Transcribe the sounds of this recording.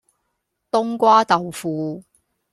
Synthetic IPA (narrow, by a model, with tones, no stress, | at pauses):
t̪ʊ˥ŋkʷaː˥t̪ɐ˨wfuː˨˧